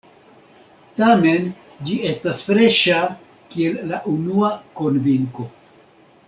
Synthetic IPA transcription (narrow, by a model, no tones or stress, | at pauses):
tame̞n | d͡ʒie̞stasfɾe̞ʃa | kielːaʔunuako̞nviŋko̞